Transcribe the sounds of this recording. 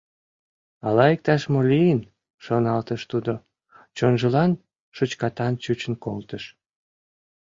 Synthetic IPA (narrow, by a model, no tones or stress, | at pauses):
ɑlɑek̚t̪ɑʃmolijən | ʃonɑlt̪əʃt̪ud̪o | t͡ɕonʒəlɑn | ʃot͡ɕkɑt̪ɑnt͡ɕut͡ɕənkolt̪əʃ